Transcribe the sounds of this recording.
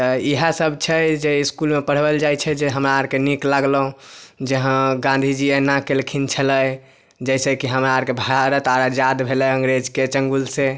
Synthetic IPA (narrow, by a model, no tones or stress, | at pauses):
t̪əiɦasəbʱt͡ʃʰɛd͡ʒeiskulmepəɽ̤bəld͡ʒajt͡ʃʰɛd͡ʒeɦəmɾaaɾkeniklaɡləũd͡ʒəɦə̃ɡãnd̪ʱid͡ʒiənakelkʰint͡ʃʰələj | d͡ʒəjsekiɦəmɾaaɾkebʱaɾət̪aɾad͡ʒad̪bʱelɛəŋɡɾed͡ʒket͡ʃəŋɡulsẽ